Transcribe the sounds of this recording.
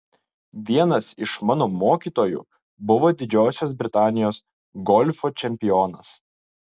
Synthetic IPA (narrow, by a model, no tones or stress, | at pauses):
ʋʲiɛnɐsɪʃmɑːnoːmoːkʲiːt̪oːjṵː | bʊʋoːd̪ʲɪd͡ʒʲɔˑʊsʲoːs̬bʲɾʲɪt̪ɑːnʲɪjoːs | ɡɔlʲfoːt͡ʃʲɛmʲpʲɪjɔːnɐs